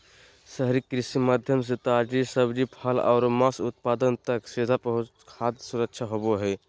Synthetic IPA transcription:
səɦɾikɾisimad̪ʱjəms̬et̪ad͡ʒisəbd͡ʒipʰəla̰ʊɾmasut̪̚pad̪ənt̪əksed̪ʱapəɦukʰad̪suɾək̚t͡ʃʰaɦoboɦɛ

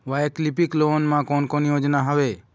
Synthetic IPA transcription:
wajklipiklonmãkɔnkɔnijod͡ʒnaɦɔbe

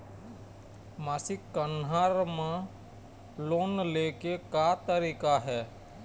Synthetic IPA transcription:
maːsɪkːənɦaːɾmã | loːnleːkekat̪əɾiːkaɦɛː

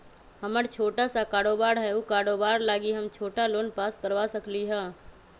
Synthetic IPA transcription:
həməɾt͡ʃʰoːʈasakaːɾoːbaːɾɦɛukaːɾoːbaːɾlaːɡiɦəmt͡ʃʰoːʈaloːnpaːskəɾʋasəkliɦɛ̃ː

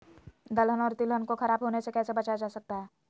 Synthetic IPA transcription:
d̪ɐlɦənɔːɾt̪ɪlɦənkoxɐɾaːbɦoːnesekɛːsebɐt͡ʃad͡ʒaːsɐk̚t̪aɦɛː

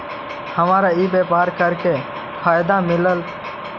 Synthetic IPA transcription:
həmaːɾaiːbepaːɾkəɾke | pʰaːjd̪amɪləl

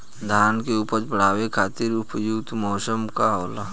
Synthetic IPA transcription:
d̪ʱaːnkeʊpəɾt͡ʃbəɽ̤aːwekʰaːt̪ɪɾʊpjʊkt̪ʰmɔːsəmkaɦoːlaː

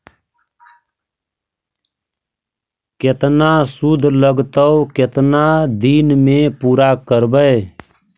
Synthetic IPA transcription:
kɪt̪nasʊd̪ʱləɡt̪əʊkɪt̪nad̪iːnmẽpuːɾakəɾbəe

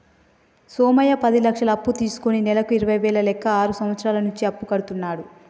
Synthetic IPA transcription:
soːmɐjɐpɐd̪ilɐkʂɐlɐːpːut̪iːsu̥koninɛlɐkuiɾɐʋɐjʋɛːɭɐlɛkʰːɐaːɾusɐmʋɐt̪sɾaːlɐnuɲt͡ʃiɐpːukɐɽut̪unːaːɽu

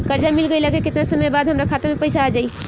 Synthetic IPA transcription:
kəɾd͡ʒamɪlɡəilakekɪt̪nasəməjbaːd̪ɦəmɾakʰaːt̪emẽpəɪsaːd͡ʒaːi

